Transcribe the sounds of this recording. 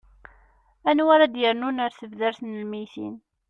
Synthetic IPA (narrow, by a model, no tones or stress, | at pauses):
ænwaɾad̪jəɾnunaɾθəvðəɾθnəlmijθḭn